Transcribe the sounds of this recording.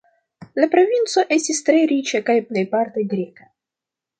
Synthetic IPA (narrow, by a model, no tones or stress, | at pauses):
lapɾo̞vint͡so̞ʔe̞stistɾe̞ɾit͡ʃakajple̞jpaɾteɡɾika